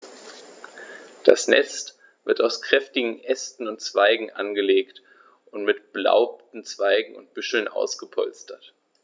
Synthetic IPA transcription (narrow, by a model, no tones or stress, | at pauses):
d̥a̰snɛ̰st | v̥ɪɐtaʊskʁ̥ɛftɪɡŋ̩ʔɛstn̩ʊntt͡sv̥aɪɡŋ̩ʔa̰nɡəleːkt | ʔʊntmɪtb̥la̰ʊp̚tn̩t͡sv̥aɪɡŋ̩ʊ̰nt̚b̥ʏʃl̩nʔa̰ʊsɡ̥əpʰɔlstʰɐt